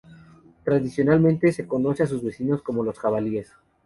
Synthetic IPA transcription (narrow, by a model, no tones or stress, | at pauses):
t̪ɾaðisjo̞nalmẽnt̪e̞seko̞no̞seas̬uzβe̞sino̞sko̞mo̞lo̞sxaβalie̞s